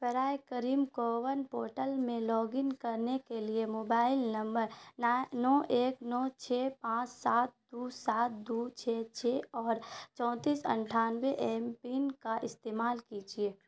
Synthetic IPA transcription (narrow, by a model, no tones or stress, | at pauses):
pɛɾaːjkəɾiːmkoʋənpoːɾʈəlmẽlɔːɡɪnkɐɾnekeliemoːbaːɪlnɐ̃mbəɾnnɔːʔeːknɔːt͡ʃʰɛːpãːt͡ʃsaːt̪̚d̪̥usaːt̪̚d̪uːt͡ʃʰeːt͡ʃʰeɔːɾt͡ʃɔ̃ːt̪iːsɐ̰̃ɳʈʰaːnweʔeːmpinkaʔɪst̪eːmaːlkid͡ʒieː